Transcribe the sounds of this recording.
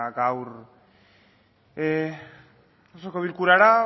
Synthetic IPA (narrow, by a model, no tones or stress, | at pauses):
ɡawɾ | e | sokoβilkuɾaɾa